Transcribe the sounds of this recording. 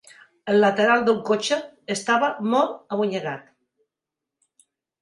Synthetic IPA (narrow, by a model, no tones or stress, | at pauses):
əlːat̪eɾalˠd̪əlkot͡ʃeest̪aβamolaβuɲeɣat̪